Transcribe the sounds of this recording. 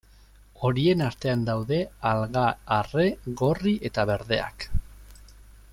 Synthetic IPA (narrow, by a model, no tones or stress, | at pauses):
o̞ɾie̞nast̪e̞and̪awðe̞alɣaːre̞ɣo̞riʔe̞t̪aβe̞ɾðe̞̰a̰k